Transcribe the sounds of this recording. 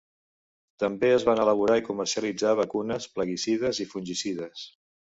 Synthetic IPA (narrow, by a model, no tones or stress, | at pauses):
t̪əmbeəzβanələβuɾaikumərsiəlid͡zaβəkunəspləɣisið̞əzifunʲʒisiðəs